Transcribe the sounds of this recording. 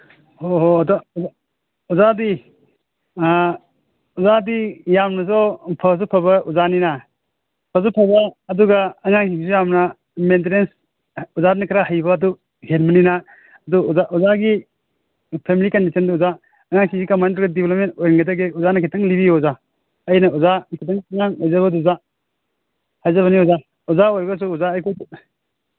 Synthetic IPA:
oɦdɔua | uzadi | uzadijamnɐsɔpʰɐzɔpʰɐbɐuzaninɐ | pʰɐzɔpʰɐbɐːduɡɐːŋaŋsiŋs̬ujamnɐ | mentenens | uzadnikʰɾahɐjbɐːdu | henmɐninɐ | ɐduzaʔɔzaɡi | pʰemilikɐndisʰɐnduuza | ɐŋaŋsiŋsikamantɾɔɡɐdibelɐp̚mentojɾɐŋɡɐdaɡeuzanɐkʰitɐŋlibioza | ɐjnɐuzakʰitɐŋɐŋaŋojzɐβɐduza | hajzɐβɐniuza | uzaojɡɐs̬uːzaːjkʰo

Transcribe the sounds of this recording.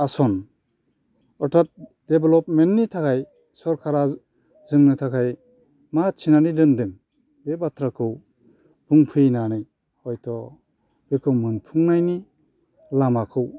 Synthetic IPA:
asɔn | ɔtʰat̚d̥ebelɔp̚mentnːitʰakʰaj | sɔɾkʰaɾa | zɯŋnɯtʰakʰaj | mat͡ʃʰinanidɯndɯŋ | bebatʰɾakʰɯw | pʰɯŋpʰɯjnanɯj | hɔjtʰɔ | b̥ekʰɯwmɯnpʰuŋnajni | lamakʰɯw

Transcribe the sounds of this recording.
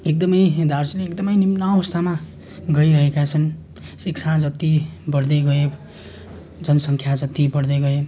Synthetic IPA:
ek̚d̪ʌmʌjd̪arsleekd̪ʌmʌjnimnaʌwʌst̪ʰama | ɡʌiɾʌɦekat͡sʰʌn | sikt͡sʰad͡zʌt̪ːibʌɾd̪eɡʌe | d͡zʌnsʌŋkʰjad͡zʌt̪ːibʌɾd̪ʌɡʌe

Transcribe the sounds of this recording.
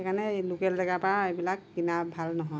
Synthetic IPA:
ɛkʰanɛlukɛlːɛɡapaebilak̚binabʱalnɔɦɔj

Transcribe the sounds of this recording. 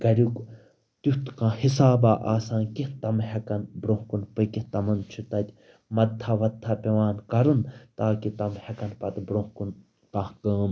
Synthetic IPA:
ɡɐɾʲuk | t̪uht̪kãːhisaːbaːʔaːsãːnkiht̪ɐmɦɐkɐnbɾõɦkunpɨkit̪ɐmɐnt͡ʃʰut̪ɐt̪ʲ | mɐd̪ʰːaʋɐt̪ʰːapʲɐʋaːnkɐɾɨnt̪aːkit̪ɐmhɐkɐnpɐt̪bɾohkun | kãhkəːm

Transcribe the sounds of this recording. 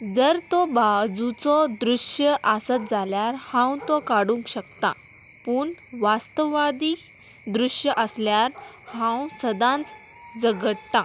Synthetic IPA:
d͡zəɾt̪ɔbad͡zut͡sɔd̪ɾuɕjəʔasət̪̚d͡zaljaɾhãw̃t̪ɔkaɽũŋkɕək̚t̪a̰ | puːɳ | ʋast̪əʋad̪iː | d̪ɾuɕjəʔəsljaɾ | hãwsəd̪ãnt͡s | d͡zəɡəɽt̪a

